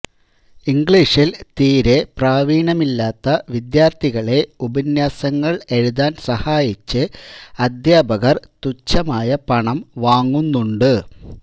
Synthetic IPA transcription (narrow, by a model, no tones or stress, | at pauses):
iŋɡɭiːʂilt̪iːɾe̞praːʋiːɳɐmilːaːt̪ːɐʋid̪jaːrt̪iɣɐɭe̞ubɐnjaːsɐŋːɐɭe̞ɻuðaːnsɐhaːjit͡ɕːɨɐd̪jaːbɐɣɐrt̪ut͡ɕːɐmaːjɐpɐɳɐmʋaːŋːunːuɳɖɨ